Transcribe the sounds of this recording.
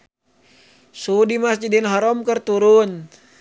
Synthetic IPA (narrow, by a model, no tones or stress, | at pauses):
sudimasd͡ʒidinɦaɾɔmkərt̪uɾun